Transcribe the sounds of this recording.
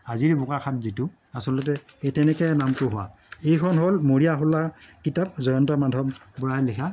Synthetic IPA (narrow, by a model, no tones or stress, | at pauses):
aziɹbʊkakʰatzitʊ | asɔlɔt̬ɛejtɛnɛkɛnamtʊɦʊwa̰ | ejkʰɔnɦolmoɹijaɦʊlakitap̚zɔjɔntɔmadʱɔbbɔɹajlikʰa